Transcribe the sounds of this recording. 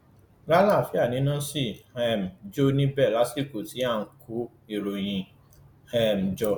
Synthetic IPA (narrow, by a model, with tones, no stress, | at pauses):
la˦la˦˨fi˨˦a˦˨nĩ˨˦nã˦si˦˨ɛ˨m̩˨d͡ʒo˦˧nĩ˦bɛ˦˨la˨˦si˦˨ko˨ti˨˦ã˦˨˦kʰu˨˦ | i˧˨ɾo˨j̃ĩ˨ | ɛ˦˨m̩˨d͡ʒɔ˨